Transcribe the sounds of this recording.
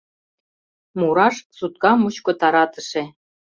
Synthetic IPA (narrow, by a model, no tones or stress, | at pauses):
muɾɑʃsut̪̚kɑmut͡ɕkŏt̪ɑɾɑt̪ə̆ʃe